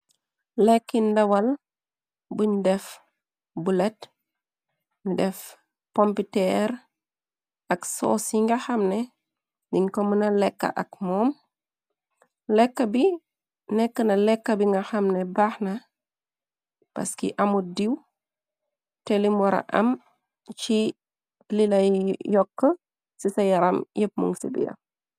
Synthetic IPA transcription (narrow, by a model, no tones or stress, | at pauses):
lɛkːindawɐl | buɲdɛf | bulet | ndɛf | pompitɛɾ | ɐkso̰ːsiŋɡɐhamne | niŋkomənalɛkːa̰ʔɐkmɔːm | lɛkːɐbi | nɛkːənɐlɛkːɐbiŋɡɐxɐmnɛbaxnɐ | pɐ̰skḭʔɐmudiw | tɛlimɔɾɐ̰ʔɐ̰m | t͡ʃi | lilɐjɔkːə | sisɐjɐɾɐmjəp̚mṵŋsḭbḭjɐ̰